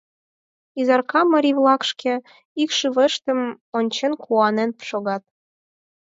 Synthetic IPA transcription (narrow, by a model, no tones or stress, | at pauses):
izɑrkɑmːɑɾʲiβlˠɑkʃkĕ | ikʃɨβəʃt̪ə̆m | onʲt͡ɕenkʰuɑnenpʃoɣɑt̪̚